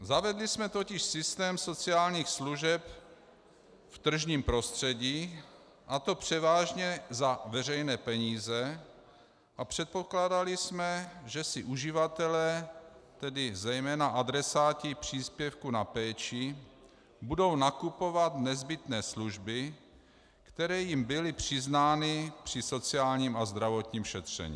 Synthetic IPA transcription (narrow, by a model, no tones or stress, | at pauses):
zavɛdlɪsmɛt̪o̞cɪʃsɪst̪ɛːmso̞t͡sɪaːlɲiːxsluʒɛp | ft̪r̩ʒɲiːmpɾo̞st̪r̝̥ɛɟiː | ʔat̪o̞pr̝̥ɛvaːʒɲɛzavɛr̝ɛjnɛːpɛɲiːzɛ | ʔapr̥ɛt̪̚po̞klaːdalɪsmɛʒɛsɪʔuʒɪvat̪ɛlɛːt̪ɛdɪzɛjmɛːnaʔad̪ɾɛsaːcɪpr̝̥iːspjɛfkunapɛːt͡ʃɪ | budo̞wnakupo̞vat̪nɛzbɪt̪nɛːsluʒbɪ | kt̪ɛɾɛːjimbɪlɪpr̝̥ɪznaːnɪpr̝̥ɪso̞t͡sɪaːlɲiːmazd̪ɾavo̞t̪ɲiːmʃɛt̪r̝̥ɛ̰ɲḭː